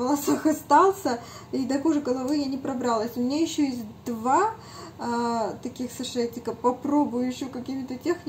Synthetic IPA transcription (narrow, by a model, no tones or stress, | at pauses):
vəlˠɐsaxɐst̪alˠsʲəid̪ɐkuʐɨɡəlˠɐvɨjanʲɪpɾɐbɾalˠəsʲʊmʲɪnʲajɪɕːojesʲtʲd̪va | t̪ɐkʲixsɨʂɛtʲɪkəpɐpɾo̞bʊjʊɪɕːokɐkʲimʲɪt̪ətʲexʲ